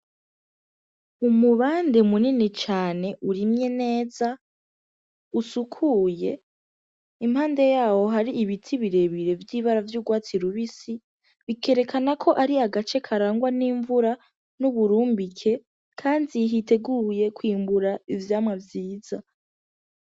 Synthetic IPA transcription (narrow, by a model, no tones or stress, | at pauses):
umuβaːndemuninit͡ʃaːne̞ʔuɾimɲe̞ne̞ːza | usukʰuːje̞ | imhaːnde̞jaːho̞ɦaɾiʔiβitʰiβiɾe̞βiɾe̞vjiːβaɾavjuːɡwaːt͡siɾuβisi | βike̞ːɾe̞kʰanakʰo̞ʔaɾiaɡat͡ʃe̞kʰaɾaːŋɡwaniːɱvuɾa | nuβuɾuːmbikʰe̞ | kʰaːndiɦite̞ɡuje̞kwiːmbuɾaivjaːmŋavjiːz̥a